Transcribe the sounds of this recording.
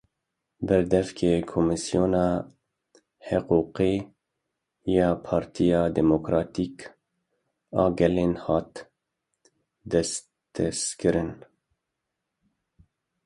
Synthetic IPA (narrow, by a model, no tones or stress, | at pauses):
bɛɾd̪ɛfkʰeːkʰomɨsijoːnɑː | həquːqi | jɑːpʰɑːɾt̪ʰijɑːd̪ɛmokɾɑːt̪iːk | ɑːɡɛleːnhɑːt̪ | d̪ɛs | t̪ʰɛskɨɾɨn